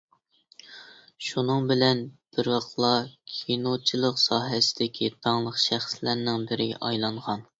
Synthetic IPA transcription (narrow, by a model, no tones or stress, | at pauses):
ʃunɨŋbɪlɛnb̥ɪɾwɑqlˠɑkʲʰijnot͡ʃʰilˠəqsɑːɦɛsɪ̥d̪ɪkʲʰit̪ʰɑŋlˠəqʃæχslæɾnɪŋbɪɾɪɡʲɛ̰ʔɑjlˠɑɴʁɑn